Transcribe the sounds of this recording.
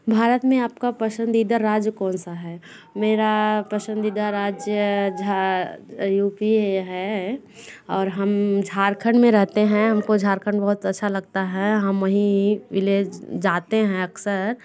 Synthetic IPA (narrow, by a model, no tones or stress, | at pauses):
bʱaːɾət̪mẽaːpkapɾəsə̃nd̪iːd̪aɾaːd͡ʒjkɔːnsaɦɛː | meːɾapɾɐsə̃nd̪iːd̪aɾaːd͡ʒjəd͡ʒa | juːpieɦɛ | ɔːɾɦɐmd͡ʒʱaːɾkʰəɳɖmẽɾɛɦt̪eɦɛ̃ɦɐmkod͡ʒʱaːɾkʰəɳbɐɦʊt̪ɐtːʃʰalɐɡ̚t̪aɦɛɦɐmʋɐɦĩʋɪled͡ʒaːt̪eɦɛ̃ɐksəɾ